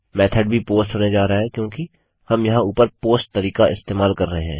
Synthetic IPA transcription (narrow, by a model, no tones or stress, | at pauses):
mɛːt̪ʰəɖbʱipoːsʈɦoːned͡ʒaːɾaaɦɛkjõːki | hɐmjɐɦãuːpəɾpoːsʈ̚t̪ɐɾiːkaʔɪst̪eːmaːlkɐɾːɐɦeɦɛ̰̃ː